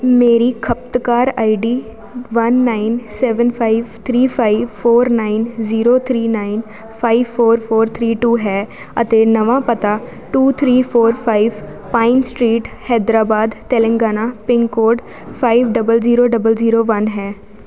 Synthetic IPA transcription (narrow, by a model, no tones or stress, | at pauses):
meːɾiːkʰəp̚t̪kaːɾa̰ːiɖiː | ʋənːaːinsɛːʋənpʰaːiʋt̪ʰɾiːpʰaːiʋpʰoːɾnaːɪnziːɾoːt̪ʰɾiːnaːin | pʰaːiʋpʰoːɾpʰoːɾt̪ʰɾiːʈuːɦɛː | ət̪eːnəʋãːpət̪aː | ʈuːt̪ʰɾiːpʰoːɾpʰaːiʋ | paːɪnsʈɾiːʈhɛːd̪ɾaːbaːd̪t̪ɛːlə̃ŋɡaːnaːpɪ̃ŋɡkoːɖ | pʰaːiʋɖəbəlziːɾoːɖəbəlziːɾoːʋənɦɛː